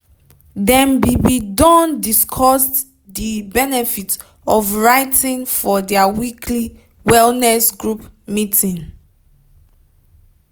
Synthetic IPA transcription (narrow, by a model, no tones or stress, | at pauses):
dɛ̃mbibidɔ̃ndiskʰɔst | dibɛnɛfit | ɔfɹaɪtĩnfɔdɛawikʰli | wɛlnɛsɡɹupmitʰĩn